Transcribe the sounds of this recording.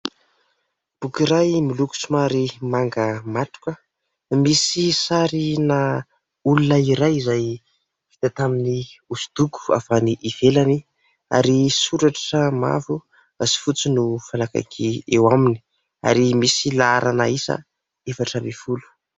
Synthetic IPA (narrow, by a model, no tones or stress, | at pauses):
b̥ukiɾajmiluku̥simaɾimaŋɡəmaʈ͡ʂu̥kʲə | misisaɾina | ulunaiɾajizaj | fit̪at̪aminiusu̥d̪uku̥a̰faniʔiv̥elani | a̰ɾisuɾaʈ͡ʂəma̰vu | asi̥fut͡sinufalaka̰jkʰiewamini | a̰ɾimisilaaɾʔanaisa̰ | efaʈ͡ʂəmifulu̥